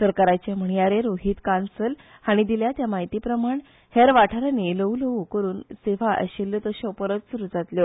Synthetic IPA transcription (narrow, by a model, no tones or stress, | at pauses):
səɾkaɾat͡ɕem̤əɳ̃jaɾeɾoɦit̪kansəlaɽ̃id̪iljat̪jamaɦit̪iːpɾəmaɳ | heɾʋaʈʰaɾaneləuləukəɾuːnseʋ̤aʔə̰ɕelːət̪əɕɔ̃pəɾət̪suɾud͡zat̪ljo